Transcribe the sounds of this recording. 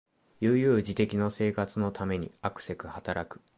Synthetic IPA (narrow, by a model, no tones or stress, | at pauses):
jɯːjɯ̟ːd͡ʑit̪e̞kʲino̞se̞ːkat͡sɨno̞t̪ʰame̞ɲ̟ḭakɯ̟̥se̞kɯ̟hat̪aɾakɯ̟̥